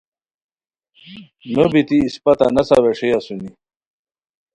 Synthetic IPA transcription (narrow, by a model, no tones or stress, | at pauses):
nobit̪iːspɐt̪a̰nɐsɐ̰weʂijasuni